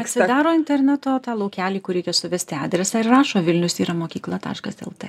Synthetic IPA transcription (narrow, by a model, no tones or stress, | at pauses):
ɐt̪ʲsʲɪd̪ɑːɾoːɪnʲt̪ʲɛɾʲnʲæt̪oːt̪ɑːlˠɐʊkʲæːlʲiːkʊɾʲɛɪkʲɛsʊʋʲɛsʲt̪ʲɪɑ̰ːd̪ʲɾʲɛsɑːɪrrɑːʃoːʋʲɪlʲnʲʊsiːɾɐmoːkʲiːklˠɐt̪ɑ̰ːʃkɐsʲɛ̰lˠt̪ɐ